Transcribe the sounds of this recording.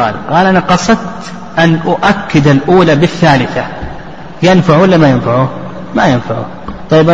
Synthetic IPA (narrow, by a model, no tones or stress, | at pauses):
a̰ːɾqɑːlʔanaqɑsˤɑd̪t̪ | ʔanʔʊʔakːɪd̪alʔuːlabɪθːaːlɪθa | jɪnfaʕwalːamajɪnfaʕu | majɪnfaʕṵ | t̪ˤɑjːɪbʔa